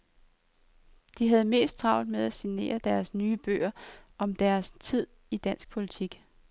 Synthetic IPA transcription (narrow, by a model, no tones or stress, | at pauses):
d̥iɦæð̞ˠme̝̰ːsd̥̚t͡sʰʁɑ̈ʊ̰d̥meðˠæsine̝̰ːɐd̥æɐsnyːb̥ø̰ːɐʔɒ̽md̥æɐst͡sʰið̞̰ˠ | id̥æn̰sɡ̥̚pʰo̝lit͡sʰiɡ̥